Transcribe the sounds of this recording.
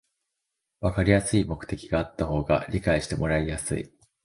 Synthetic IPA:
βakaɾʲijasɨimo̞kɯ̟̥t̪e̞kʲiɡaːt̪ːaho̞ːɡa̰ɾʲikaiɕi̥t̪e̞mo̞ɾaijasɨ̰ḭ

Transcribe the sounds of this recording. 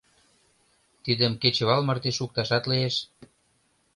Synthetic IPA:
t̪id̪ə̆mket͡ɕə̆βɑlmɤrt̪eʃuk̚t̪ɑʃɑt̪lieʃ

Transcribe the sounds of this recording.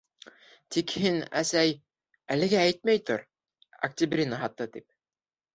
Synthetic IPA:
t̪ikhinæ̰sæj | ælɘ̆ɡæːjt̪̚mæjt̪oɾ | ɐ̰k̚t̪ʲibrʲinaɦɑt̪ːɤt̪ip̚

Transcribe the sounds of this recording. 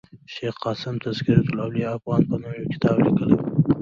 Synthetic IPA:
ʃexqɑsɪmt̪ʰazkiɾet̪ʊlawliafɣɑnpənumjokʲɪ̥t̪ɑblikəlaw

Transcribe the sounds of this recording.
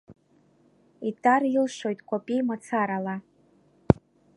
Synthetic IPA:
itʼarilʃʷo̞jtʼkʷʰʼopʼijmat͡sʰaɾala

